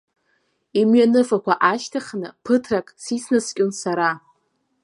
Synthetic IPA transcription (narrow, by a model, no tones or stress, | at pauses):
imɥanɨfakʷʰaʔaʃtʰaχnɨpʰɨtʰrakʼsisʰnɨskʲʼonsaɾa